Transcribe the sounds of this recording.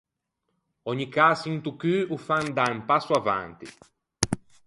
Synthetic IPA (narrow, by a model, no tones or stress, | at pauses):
ɔɲikasint̪ukyufand̪aumpasuavã̰nt̪ḭ